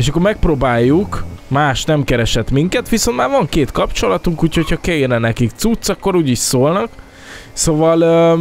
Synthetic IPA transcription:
eːʃɒkːormɛk̚proːbaːjːukmaːʃnɛmkɛɾɛʃɛt̪miŋkɛt̪ʋiso̞nt̪maːɾvɒŋkeːt̪kɒpt͡ʃo̞lɒt̪uŋkuːcho̞cʰhɒkɛernɛnɛkikt̪sut̪sɒkːo̞ɾuːɟiʃsoːlnɒk | sovɒløː

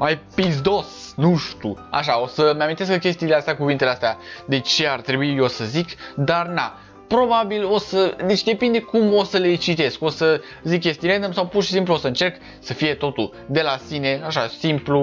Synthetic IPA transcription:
majpizd̪o̞snuʃt̪ṵa̰ʃ̬ao̞səmeamint̪eskəkʲe̞st̪iːleast̪eakuvint̪eleast̪ead̪e̞t͡ʃe̞art̪ɾebuijosəzikd̪arna | pɾo̞babilo̞səd̪e̞t͡ʃʲd̪e̞pind̪ekumo̞səle̞t͡ʃit̪e̞sko̞sə | zikʲːjest̪iɾenəmsawpurʃi̥simpluosəɨnt͡ʃe̞rk | səfije̞t̪o̞t̪ul | d̪e̞lasine̞aʃasimplu

